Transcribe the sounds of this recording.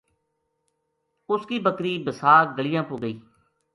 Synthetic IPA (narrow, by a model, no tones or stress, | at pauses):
ʊskiːbəkɾiːbəsaːɾɡəɭɪjãːpuːɡəiː